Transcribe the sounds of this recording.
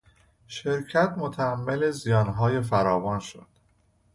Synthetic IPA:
ʃeɾcʰæt̪mot̪ʰææmːele̞zijɒːnɦɒːje̞fæɾɒːvɒːnʃo̰d̪̥

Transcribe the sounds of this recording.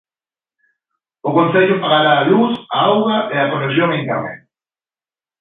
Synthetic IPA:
ʊkonseʎʊpaɣaɾaːlusaawɣaʔeakoresjoŋeŋka̰mḛ

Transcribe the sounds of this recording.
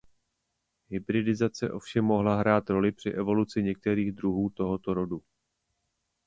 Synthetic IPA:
ɦɪbɾɪdɪzat͡sɛʔo̞fʃɛmːo̞ɦlaɦɾaːt̪ɾo̞lɪpr̝̥ɪʔɛvo̞lut͡sɪɲɛk̚t̪ɛɾiːɣd̪ɾuɦuːt̪o̞ɦo̞t̪o̞ɾo̞du

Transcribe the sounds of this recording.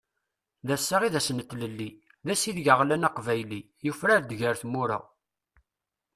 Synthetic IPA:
ðæsːaʁiðæsənət̪ːləlːi | ðæsiðʝəʁlænɑqvæjli | jufɾæɾd̪ʝəɾθmuɾa̰ʁ

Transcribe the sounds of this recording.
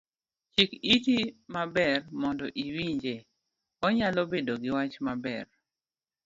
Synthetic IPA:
t͡ʃikitimabɛrmɔndɔʔiwiɲd͡ʒe | ɔɲalɔbedoɡɪwat͡ʃmabɛr

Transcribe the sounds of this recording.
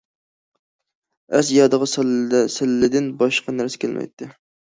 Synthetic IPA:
æ̰sjɑd̪əʁɑssɪlːɪd̪ɪnbɑʃqɑnæɾsɛ̥kʲʰælmʔɛ̰jt̪ʰːɪ

